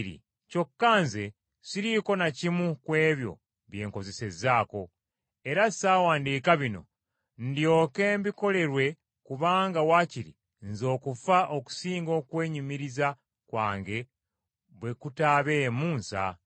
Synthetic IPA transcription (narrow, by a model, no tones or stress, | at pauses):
ɾḭ | co̞kːaːnze | siɾiko̞nacimukwe̞ːβjo̞̰ | βje̞ːŋko̞ze̞se̞zaːko̞ | e̞ɾasaːwaːndiːkaβino̞̰ | ndjo̞ːke̞ːmbiko̞le̞ɾwe̞ | kuβaːŋɡawaːciɾḭ | nzo̞ːkufaʔo̞ku̥siːŋɡo̞ːkwe̞ːɲumiɾiza | kwa̰ːŋɡe̞ | βwe̞kutaβe̞muːnsa̰